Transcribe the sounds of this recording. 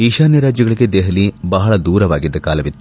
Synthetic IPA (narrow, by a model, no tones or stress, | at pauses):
iːʃaːnjɐɾaːd͡ʒjɐɡɐɭiɡed̪eɦɐlibɐɦɐɭɐd̪uːɾɐʋaːɡid̪ːɐkaːlɐʋit̪ːu